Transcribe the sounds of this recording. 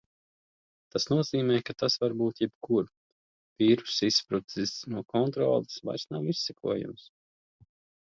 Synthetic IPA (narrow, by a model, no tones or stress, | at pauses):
t̪asnuɔziːmɛjkat̪asvaɾbuːt̪jɛbkuɾ | piːɾu̥sispɾut̪isnuɔkɔnt̪ɾɔ̰ːlˠɨsva̰jɾsnawisʲːɛkuɔjṵms